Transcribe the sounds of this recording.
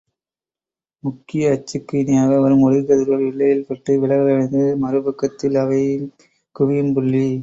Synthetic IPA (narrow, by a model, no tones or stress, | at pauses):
mʊkːɪjɐːt͡ʃːɯkːɯɪnɪjaːɣɐʋɐɾɯmɔɽɪkɐðɪɾɐlʋɪɭːɐjɪlpɐʈːɯʋɪɭɐɣɐlɐɽɐɪnd̪ɯmɐɾɯbɐkːɐt̪ːɪlɐʋɐɪ | kʊʋɪjɯmpʊɭːi